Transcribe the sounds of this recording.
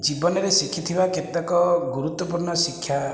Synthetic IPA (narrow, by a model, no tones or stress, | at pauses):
d͡ʒibɔnɔɾesikʰit̪ʰibaket̪nakɔɡuɾut̪wɔpuɾnɔsikʰja